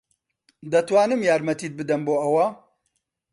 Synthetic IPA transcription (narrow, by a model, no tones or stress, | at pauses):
d̪ɐt̪waːnɨmjaːɾmɐt̪iːt̪̚bɨd̪ɐnboːɐwa